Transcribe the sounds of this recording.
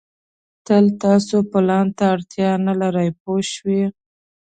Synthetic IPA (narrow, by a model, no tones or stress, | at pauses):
t̪əlt̪ɑsopɪlɑnt̪aːɽt̪jɑnalaɾajp̚oʃwi